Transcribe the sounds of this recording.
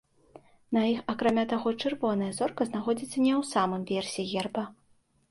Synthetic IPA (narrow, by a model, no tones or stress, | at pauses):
nɐixɐkɾamʲat̪aɣɔt͡ʂɨrvɔnɐjɐzɔrkɐznaxɔd͡zʲit̪sːɐnʲɛwsamɨmvʲɛrsʲiɣʲɛrbɐ